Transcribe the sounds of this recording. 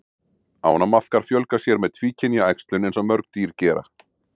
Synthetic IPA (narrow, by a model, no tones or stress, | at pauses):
a̰whɔnamaθkaɾ̥fjœlkasjɛɾmɛðt̪ʰviːcʰɪnjaajkst̪lʏnɛnsɛmmœɾkt̪iːɾ̥cɛːɾa̰